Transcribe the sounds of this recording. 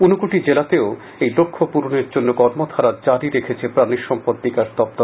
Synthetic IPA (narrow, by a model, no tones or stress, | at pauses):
unokoʈid͡ʑelat̪eo | ejlokʰːopuɾuneɾd͡ʑonːokɔɾmot̪ʰaɾad͡ʑaɾiɾekʰet͡ɕʰepɾaniɾʃɔmpot̪ːikaɾd̪ɔp̚t̪oɾ